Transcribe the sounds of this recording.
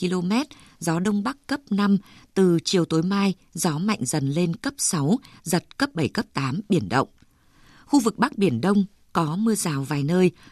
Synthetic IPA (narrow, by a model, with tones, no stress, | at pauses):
i˧lo˧mɛ˦˥t̚ | zɔ˨˦ɗə˧wŋ͡mɓa˦˥kːə˦˥p̚na˧mt̪ɨ˨˩t͡ɕi˨˩əwt̪o˨˦jmaː˧j | zɔ˨˦ma̰˧˨jŋ̟zə˨˩nle˧nkə˦˥p̚sa˨˦wzə˨˩t̚kə˦˥p̚ɓə˧˩jkə˦˥p̚t̪aː˨˦mɓi˧˩ənɗə̰˧˨wŋ͡m | xu˧vɨ˨˩k̚ɓa˦˥k̚ɓi˧˩ənɗə˧wŋ͡m | kɔ˨˦mɨ˧əzaː˨˩wvaː˨˩jnəː˧j